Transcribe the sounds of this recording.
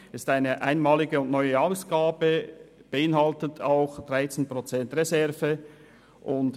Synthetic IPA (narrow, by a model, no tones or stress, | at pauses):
ɪstaɪnəʔa̰ɪnmaːlɪɡəʊntnɔʏəɑʊsɡ̥aːbəb̥əɪnɦɑltətʰaʊxd̥ʁaɪt͡senprot͡sɛntrezɛʁvə | ʔʊnt